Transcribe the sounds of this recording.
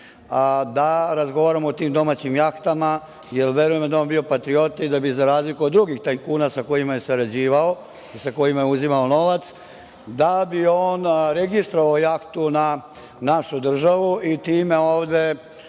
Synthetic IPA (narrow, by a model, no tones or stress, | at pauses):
d̪aɾazɡo̞ʋaːɾamoot̪iːmd̪o̞maːt͡ɕimjakt̪ama | jelʋe̞ɾujemd̪aonbio̞pat̪ɾio̞t̪id̪abizaɾaːzlikood̪ːɾuɡixt̪ajkuːnasako̞jimaje̞saɾad͡ʑiːʋao | isako̞jimajeuzimaono̞ʋat̪s | d̪abioːnɾe̞ɡist̪ɾoʋaojakt̪una | naʃud̪r̩ʒaʋuʔit̪iːmeoːʋd̪e̞